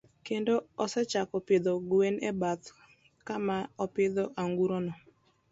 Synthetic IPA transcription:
kendoɔsɛt͡ʃakɔpɪd̪ɔɡwenɛbat̪ | kamaɔpɪd̪ɔʔaŋɡuɾonɔ

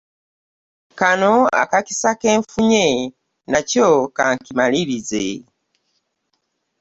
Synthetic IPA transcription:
kanoa̰kaki̥sake̞ːɱfuɲe | nacokaːŋkimaliβize

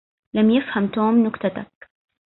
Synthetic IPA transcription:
lamjɪfhamt̪oːmnʊkt̪at̪ak̚

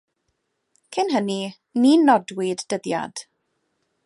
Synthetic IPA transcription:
kʰɪnɦəni | ninɔdwɪdːəðja̰d̥

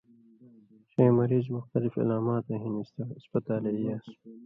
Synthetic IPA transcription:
ɕeːmɐɾiːzmʊxt̪ɐlifḭlaːmaːt̪eɦinist̪aspɐt̪aːleijaːs

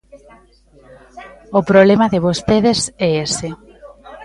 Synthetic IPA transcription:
opɾoβlemɐðɪβost̪eðesɛese

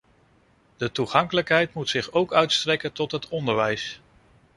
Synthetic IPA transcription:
d̥ətuχɑŋkələkɦɛjtmutsɪχowkœɥtstrɛkəntɔtɦətɔndəɹʋɛjs

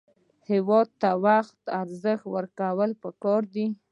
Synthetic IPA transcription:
hɪwɑd̪̚t̪awaxt̪aɾzəxt̪wəɾkawəlpəkɑɾd̪i

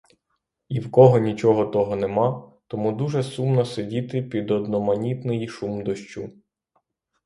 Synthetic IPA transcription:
iwkɔɦɔnʲit͡ʃɔɦɔt̪ɔɦɔnemɑt̪ɔmud̪uʒɛsumnɔsedʲit̪ɪpʲid̪ɔd̪nɔmɐnʲit̪nɪjiʃumd̪ɔʃt͡ʃu

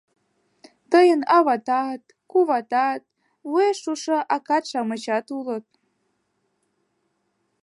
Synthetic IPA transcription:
t̪əjənɑβɑt̪ɑt̪ | kuβɑt̪ɑt̪̚ | vueʃuʃoʔɑkɑt̪ʃɑmət͡ɕɑt̪ulət̪̚

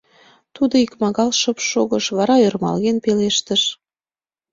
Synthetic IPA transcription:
t̪ud̪oikmɑɣɑlʃə̆pʃoɣəʃβɑɾɑørmɑ̰lɣenpeleʃt̪əʃ

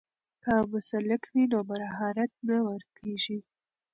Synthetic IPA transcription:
kamʊsalɪkwinomaɾaɦɑɾat̪̚nawəɾkʰeʒi

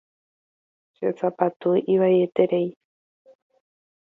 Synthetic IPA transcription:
t͡ʃet͡sapat̪uʔiβaeet̪eɾej

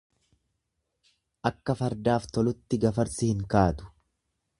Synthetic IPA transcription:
ʔɐkːɐfɐɾd̪aːft̪ɔlʊt̪ːɪɡɐfɐɾsɪhɪŋkaːt̪ʊ̥

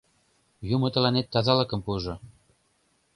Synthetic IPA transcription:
jumŏt̪ɤ̆lɑnet̪ːɑzɑlɤkə̆mpuʒŏ

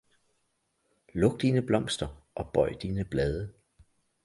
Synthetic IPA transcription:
lɔ̽ɡ̥̚d̥iːnəb̥lɒ̽m̰sd̥ɐʔɒ̽b̥ɒ̽ɪd̥iːnəb̥lɛːð̞ˠə

